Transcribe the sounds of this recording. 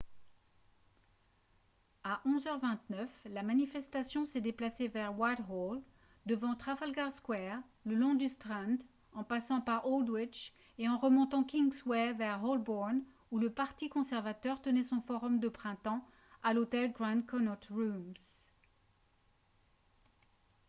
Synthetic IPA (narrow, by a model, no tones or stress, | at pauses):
aʔɔ̃zœʁvɛ̃t̪nœflamanifɛst̪asjɔ̃sɛd̪eplasevɛʁwajt̪hol | d̪əvɑ̃t̪χafalɡaʁskwɛʁ | ləlɔ̃d̪yst̪χɛ̃nd̪ | ɑ̃pasɑ̃paʁold̪wit͡ʃ | eɑ̃ʁəmɔ̃t̪ɑ̃kʲiŋswɛvɛʁɔlbɔʁn | uləpaʁt̪ikɔ̃sɛʁvat̪œʁt̪ənɛsɔ̃fɔʁɔmd̪əpχɛ̃t̪ɑ̃ | alot̪ɛlɡʁɛ̃nkʰɔnɔt̪ʁumz